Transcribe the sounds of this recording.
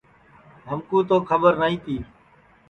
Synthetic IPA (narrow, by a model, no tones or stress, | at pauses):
ɦəmkũːt̪oːkʰəbəɾnaːĩːt̪ʰiː